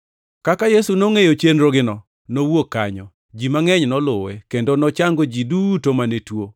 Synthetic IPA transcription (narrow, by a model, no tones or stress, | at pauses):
kakajesunoŋejot͡ʃenɾoɡɪnɔ | nowokːa̰ɲɔ | d͡ʒimaŋɛɲnɔlʊwɛkendonɔt͡ʃaŋɡod͡ʒidutomanetwo